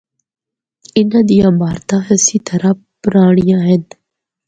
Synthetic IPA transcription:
ɪnad̪ijaːbaːɾt̪aːɦəsit̪ʰɐɾa | pɾaːɳijaːɦen

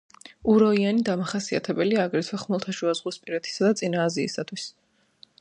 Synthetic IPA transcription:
uɾɔianid̪amaχasia̰t̪ʰɛbɛliaːɡɾɛt̪ʰwɛχmɔlˠt̪ʰaʃuazʁwispʼiɾɛt̪ʰi̥sad̪at̪sʼinaːzḭːsat̪ʰwis

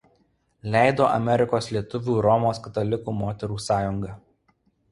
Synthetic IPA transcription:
lʲæˑɪd̪oːʔɐ̰mʲɛɾʲɪkoːslʲiɛt̪ʊʋʲuːɾɔmoːskɐt̪ɐlʲɪkuːmoːt̪ʲɛɾuːsɑːjʊŋɡɐ

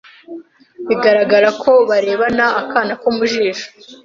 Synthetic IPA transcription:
βiɡaɾaɡaɾakʰo̞βaɾe̞ːβanaːkaːnakomuʒiːʃo̥

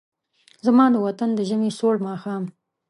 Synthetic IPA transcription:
zamɑːd̪əwat̪and̪əʒəmesoɽmɑːxɑːm

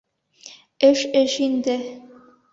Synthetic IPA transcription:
ɘʃɘʃind̪ɘ

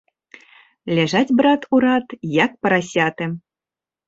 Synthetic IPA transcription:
lʲaʐatʲbɾat̪ʰuɾat̪jak̚pɐɾasʲat̪ɨ

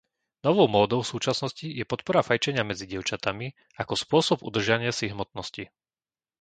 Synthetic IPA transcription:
nɔʋɔʊmɔːd̪ɔʊsuːt͡ʃasnɔscijɛpɔt̪pɔɾafajt͡ʃɛɲɪamɛd͡ziɟɪɛʊt͡ʃat̪ami | akɔspʊɔsɔbṵd̪r̩ʒaɲɪasiɦmɔt̪̚nɔsci

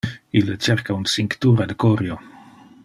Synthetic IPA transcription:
ilːət͡ʃeɾkaunsiŋkt̪uːɾad̪əkoɾjo

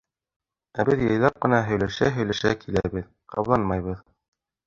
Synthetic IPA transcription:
æbɘðjɤ̆jlˠɑp̚qɤ̆nɑɦɵ̆jlæʃæɦɵ̆jlæʃækʰilæβɘð | qɑ̰βlˠɑnmɑjβɤð

